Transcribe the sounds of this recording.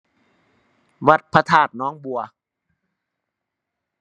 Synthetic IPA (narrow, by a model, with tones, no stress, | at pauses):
wa˧˩t̪̚pʰa˧t̪ʰaː˧˩t̪̚nɔː˦˥ŋbu˨˩ɐ